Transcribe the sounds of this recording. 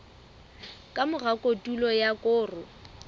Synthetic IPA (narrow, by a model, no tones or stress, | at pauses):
kʼamʊɣakʼotʼulɔjakʼʊːrʊ